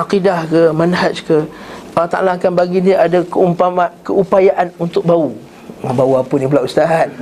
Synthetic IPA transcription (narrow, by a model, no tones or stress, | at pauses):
ʔaqidahkəmanɦat͡ʃkəalaht̪a̰lakanbaɡiniadakəumpaakəʔupajaʔanunt̪ʊk̚bau | bauapənibəlaʔust̪aɦat̪̚